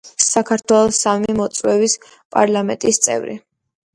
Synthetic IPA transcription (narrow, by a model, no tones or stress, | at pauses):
sakʰaɾt̪ʰwɛlˠɔsamimɔt̪sʼwɛvis | pʼa̰ɾlˠamɛ̰nt̪ʼist̪sʼɛ̰vɾḭ